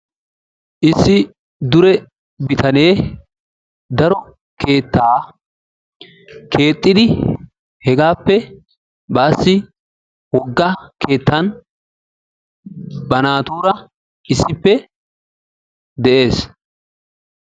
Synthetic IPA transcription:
ʔɪsːɪ | d̪ʊɾɛ | bɪt̪ʰɐne̞ː | d̪ɐɾɔ | kʰe̞ːt̪ːaː | kʰe̞ːt̪ʼːɪd̪ɪ | hɛɡaːpːɛ | baːsːɪ | wɔɡːɐkʰe̞ːt̪ːɐn | bɐnaːt̪oːɾɐ | ʔɪsːɪpːɛ | d̪ɛʔe̞ːs

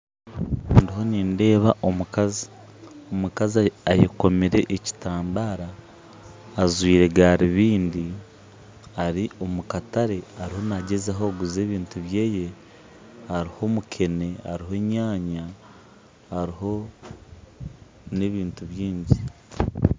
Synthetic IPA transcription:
ndiɦo̞niːnde̞ːβaʔomukazi | omukaziajeko̞meɾe̞̰ʔːci̥taːmbaːɾaː | zwiːɾe̞ɡaɾiβiːndi | aɾio̞mukataɾe̞aɾiho̞naɟe̞zaɦoɡuze̞ːβiːntuβjeːje̞ | haɾiho̞mukʰe̞ne̞a̰ɾiɦe̞ɲaːɲa | haɾiɦo̞ | ne̞βiːntuβjiːɲɟi

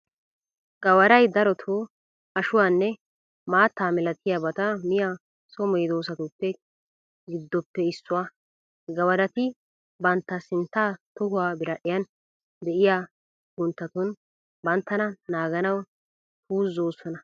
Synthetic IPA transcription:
ɡ̥ɐwɐɾɐjd̪ɐɾɔt̪ʰoː | ɐʃʊwaːnːɛ | maːt̪ːaːmɪlɐt̪ʰɪjabɐt̪ɐmɪja | sɔmɔjd̪o̞ːsɐt̪ʊpːɛ | ɡɪd̪ːɔpːɛɪsːʊwaː | ɡɐwɐɾɐt̪ɪ | bɐnt̪ːɐsɪnt̪ːaːt̪ɔɦʊwaːbɪɾɐɗɪjɐn | d̪ɛʔɪja | ɡʊnt̪ːɐt̪ʊn | bɐnt̪ːɐnɐnaːɡɐnɐw | puːzːoːsɔnɐ

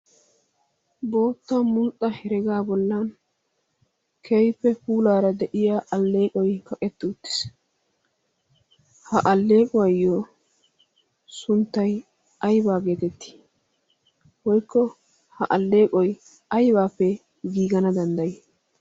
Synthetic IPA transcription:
bo̞ːt̪ːɐmʊlt̪ʼːɐhɛɾɛɡaːbɔlːɐn | kʰejpːɛfuːlaːɾɐd̪ɛʔɪjaːʔɐlːe̞ːkʼɔjkɐkʼɛt̪ːɪʊt̪ːɪ̥s | hɐʔɐlːe̞ːkʼɔwɐjːoː | sʊnt̪ːɐj | ɐjbaːɡeːt̪ɛt̪ːi̥ː | wɔjkːɔ | hɐʔɐlːe̞ːkʼɔj | ɐjbaːpːɛ | ɡiːɡɐnɐd̪ɐnd̪ɐjɛ

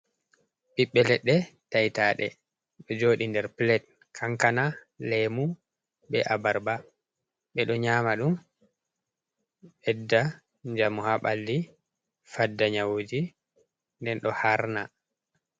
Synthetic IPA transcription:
ɓiɓːɛlɛɗːɛtajtaːɗɛ̰ | ɗɔd͡ʒoːɗindɛɾplɛt̚ | kʰaŋkana | lɛmu | ɓɛʔabaɾba | ɓɛɗɔɲaːmaɗum | ɓɛdːa | ɲd͡ʒamuhaɓalːi | fadːaɲawod͡ʒi | ndɛnɗɔhaɾna

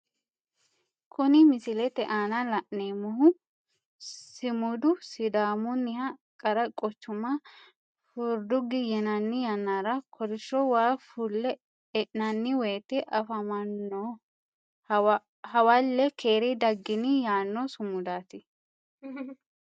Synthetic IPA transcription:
kʰʊnɪmɪsɪlɛt̪ɛʔaːnalɐʔneːmʊɦʊ | sɪmʊd̪ʊsɪd̪aːmʊnːɪhɐkʼɐɾɐkʼɔt͡ʃːʊma | fʊɾd̪ʊɡɪjɛnɐnːɪjaːnːaːɾɐkʰɔɾɪʃːowaːfulːɛ | ɛʔnɐnːɪweːt̪ːɛʔɐfɐmɐnːo | hɐwaːlːɛkʰeːɾid̪ɐɡːɪnɪjaːnːosʊmʊd̪aːt̪ɪ

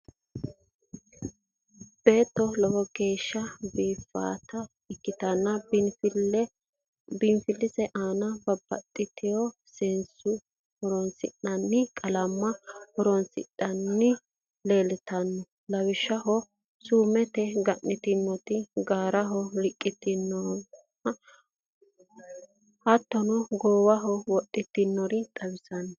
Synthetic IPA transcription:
b̥e̞ːt̪ːɔlɔwɔɡe̞ːʃːɐbiːfːa̰ːt̪ɐ | ɪkːɪt̪ɐnːɐbfl | bɪnfɪlːɪzɛʔaːnɐbɐbːɐ̰t̪ʼːɪt̪ɪjɔsɪnsʊ | hɔɾɔnsɪ̰ʔɐnːɪkʼɐlɐmːɐhɔɾɔnsɪ̰ɗːɐnːɪ | le̞ːlɪt̪ɐnːɔ | lɐwɪʃːɐɦɔ | suːmɛt̪ɛɡɐnːɪt̪ɪnːɔt̪ɪɡaːɾɐɦɔlɪkʼːɪt̪ːɪnːɔ | hɐt̪ːɔnɔɡoːwɐɦɔwɔɗːɪt̪ːɪnːɔɾɪt̪ʼɐwɪsɐnːɔ

